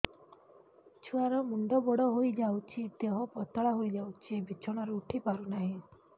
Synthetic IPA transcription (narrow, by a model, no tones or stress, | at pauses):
t͡ʃʰuaɾɔmund̪ɔbɔɽɔɦojd͡ʒawt͡ʃʰid̪eɦɔpɔt̪ɔɭaɦojd͡ʒawt͡ʃʰibit͡ʃʰɔɽ̃aɾeuʈʰipaɾunaɦĩ